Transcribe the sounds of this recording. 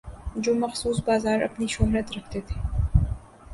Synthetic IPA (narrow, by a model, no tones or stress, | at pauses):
d͡ʒoːmɐxsuːsbaːzaːɾɐ̰pniʃoɦɾɐt̪ɾɐkʰt̪eːt̪ʰe̥ː